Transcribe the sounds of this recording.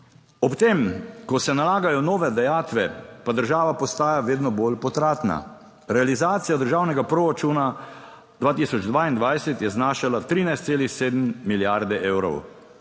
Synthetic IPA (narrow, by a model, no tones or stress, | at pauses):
ɔpt̪emkɔsɛnalaːɡajɔnɔːʋɛd̪ajaːt̪ʋɛpad̪əɾʒaːʋapɔst̪aːjaʋeːd̪nɔbolpɔt̪ɾaːt̪na̰ | ɾɛalizaːt̪sijad̪əɾʒaːwnɛɡapɾoːɾat͡ʃuːna | d̪̥ʋaːt̪iːsɔd͡ʒd̪ʋaːind̪ʋajsɛt̪jɛznaːʃalat̪ɾiːnajst̪seːlixseːd̪mːiljaɾd̪ɛʔewɾɔ̰w